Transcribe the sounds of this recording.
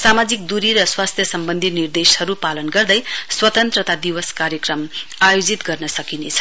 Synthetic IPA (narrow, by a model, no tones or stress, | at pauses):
samad͡zikd̪uɾiɾʌswast̪ʰjʌsʌmbʌnd̪ʱinird̪eshʌɾupalʌnɡʌrd̪ʌjswʌt̪ʌnt̪rʌt̪ad̪iwʌskaɾjʌkrʌmajod͡zit̪ɡʌrnʌsʌkinet͡sʰʌ̥